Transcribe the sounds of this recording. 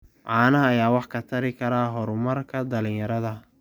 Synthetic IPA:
ʕɑːnɐɦɐːjaːwɑħkʰɐt̪ʰɐɾɪkʰɐɾaːɦɔɾʊmɐrkʰɐd̪ɐlɪ̃ɲjɐɾɐðɐ

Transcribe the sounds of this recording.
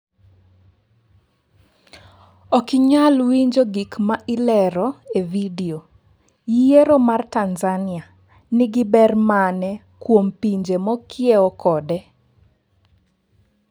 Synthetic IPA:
ɔkɪɲalwiɲd͡ʒoɡikmaʔɪlɛɾɔevidio | jijeɾɔmartanzanɪa | nɪɡɪbɛrmanɛ | kwompiɲd͡ʒemɔkʰɪeɔkɔdɛ

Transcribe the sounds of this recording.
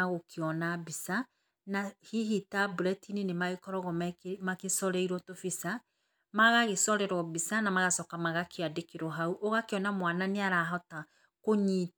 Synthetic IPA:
aɣokʰeɔnabisa | nahiɦitabuɾɛtininemaɣekɔɾɔɣɔmɛkmakesɔɾɛiɾɔtofisa | maɣaɣesɔɾɛɾɔbisanamaɣasɔkamaɣakeadekeɾɔɦauʔoɣakeɔnamwananeaɾaɦɔta | koɲit

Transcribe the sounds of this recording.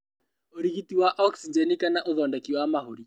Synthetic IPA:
oɾiɣitiwaʔɔksid͡ʒɛnikanaʔoðɔndakiwamaɦoɾi

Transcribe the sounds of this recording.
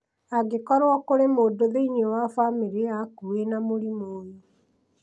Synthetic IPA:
aɡekɔɾwɔkoɾemoːdoðeiɲewafamiɾiakuenamoɾimoːjo

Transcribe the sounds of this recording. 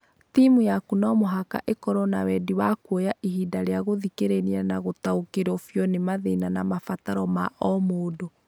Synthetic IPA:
timujakunɔmoɦaka̰ʔekɔɾɔnawɛdiwakwojaʔiɦiːdaɾeaɣoðikeɾenianaɣotaokeɾɔfjɔnemaðenanamafataɾɔmaʔɔmoːdo

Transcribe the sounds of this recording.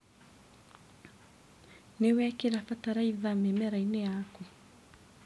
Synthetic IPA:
newɛkeɾafataɾaiðamemɛɾainejaku

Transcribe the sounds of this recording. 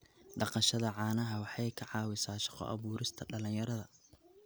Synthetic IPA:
ɖɑqɑʃɐðɐʕɑːnɐɦɐwɑħɑjkʰɐʕɑːwɪsaːʃɑ̥qɔ̰ʔɐ̰βuːɾɪst̪ʰɐɖɐlɪnjɐɾɐðɐ

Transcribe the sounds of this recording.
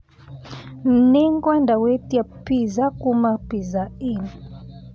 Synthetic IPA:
m̩nɛŋɡwandawɛtiapizakumapizain

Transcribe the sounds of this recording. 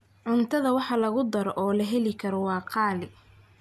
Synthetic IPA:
ʕʊnt̪ʰɐðɐwɑħɑlɐɣʊd̪ɐɾɔʔɔːlɐɦɛlɪkʰɐɾɔwɑːqʰɑːlɪ

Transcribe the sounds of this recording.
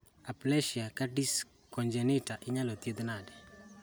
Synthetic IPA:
aplɛʃiakaɖis | kɔnd͡ʒɛnɪtaʔɪɲalot̪jed̪nadɛ

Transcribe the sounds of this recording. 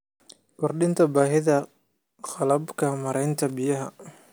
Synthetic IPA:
kʰɔrɗɪnt̪ʰɐbaːɦɪðɐ | χɑlɐbkʰɐmɐɾɛjnt̪ʰɐbɪjɐɦɐ̰

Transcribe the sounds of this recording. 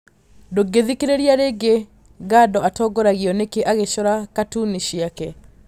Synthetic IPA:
doɡeðikeɾeɾjaɾeɡe | ɡadɔatɔɡɔɾaɣiɔnekeʔaɣeʃɔɾakatuniɕiakɛ

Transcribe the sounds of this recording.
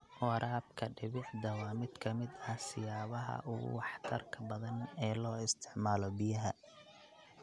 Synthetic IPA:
wɑɾʔaːb̚kʰɐɖɪβɪʕd̪ɐwɑːmɪd̪kʰɐmɪd̪ɐhsɪjaːβɐɦɐ̰ʔʊɣʊ̰wɑħt̪ʰɐrkʰɐbɐðɐnɛːlɔːɪst̪ʰɪ̥ʕmaːlɔbɪjɐɦɐ

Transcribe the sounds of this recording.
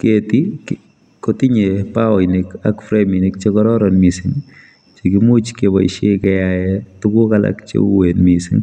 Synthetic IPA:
ketik | kotiɲepawɔnekakfɾeminek̚t͡ʃekɔɾɔɾɔnmisɪŋ | t͡ʃekimut͡ʃkeba̰ḭʃekɛjajɛtukukala̰kt͡ʃḛuwenmisɪ̰ŋ

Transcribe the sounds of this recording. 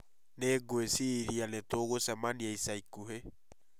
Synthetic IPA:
neɡoesiɾianetoɣosɛmaniaisaikuɦe

